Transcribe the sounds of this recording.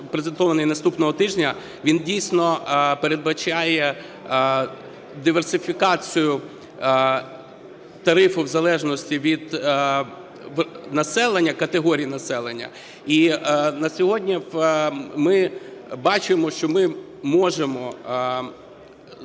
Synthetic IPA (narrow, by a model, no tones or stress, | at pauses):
pɾezent̪ɔʋɐnɪjnɐst̪upnɔɦɔt̪ɪʒnʲɐ | ʋʲindʲijsʲnɔpeɾe̞d̪̚bɐt͡ʃʲɑjɛ | d̪ɪʋersɪfʲikɑt͡sʲijʊ | t̪ɐɾɪfʊwzɐlˠɛʒnɔsʲtʲiʋʲid̪̥ | ʋnɐsɛlˠenʲːɐkɐt̪eɦɔɾʲijinɐsɛlˠenʲːɐ̰ | inɐsʲɔɦɔdʲnʲiwmɪbɑt͡ʃɪmɔʃt͡ʃɔmɪ | mɔʒemɔ